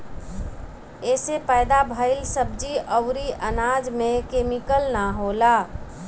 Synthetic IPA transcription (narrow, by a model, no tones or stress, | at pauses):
eːsepəɪd̪abʱəɪlsəb̚d͡ʒiʔəʊɾiʔənaːd͡ʒmẽkeːmikəlnaɦola